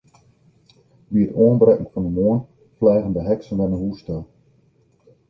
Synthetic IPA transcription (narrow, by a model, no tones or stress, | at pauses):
ʋiətoːənbrɛkŋ̩fɔndəmoːən | flɛːɣəndəɦɛksənʋɛnənɦustɛlˠ